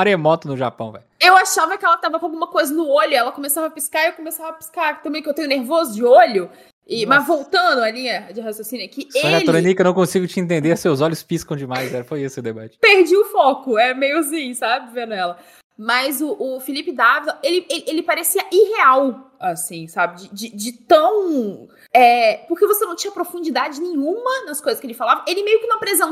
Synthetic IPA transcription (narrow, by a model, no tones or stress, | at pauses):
aɾemɔt̪ʊnʊʒa̰pɐ̃w̃vɛ̰jewaʃavɐkɪɛlɐt̪avɐkw̃awɡũmɐkojzɐnʊoʎʊɛlɐkõmesavɐpiskaɾewkõmesavɐpi̥skaɾt̪ɐ̃mbẽj̃kewt̪ẽɲʊ̃neɾvozʊd͡ʒɪoʎʊ | ɪmɐzvowt̪ɐ̃d̪ʊɐlĩɲɐd͡ʒɪɦasjosĩnɪɐkɪsealɾonikewnɐ̃w̃kõsiɡʊt͡ʃɪẽt̪ẽnd̪eɾsewzɔʎʊspiskɐ̃w̃d͡ʒɪmajzɛɾɐfojesʊɛd̪ebat͡ʃɪ̥peɾd͡ʒiʊfɔkʊɛmejʊzĩsabɪvẽnd̪ʊɛlɐ | mɐzʊʔːfilipɪd̪avilɐʔelɪelʔelɪpaɾesiɐʔiɦeawasĩsabɪd͡ʒɪd͡ʒɪd͡ʒɪt̪ɐ̃w̃ | ɛpoɾkevosenɐ̃w̃t͡ʃĩɲɐpɾofũd͡ʒid̪ad͡ʒɪnẽɲũmɐnɐskojzɐskelɪfalavɐʔelɪmejʊkɪnɐ̃w̃pɾezẽ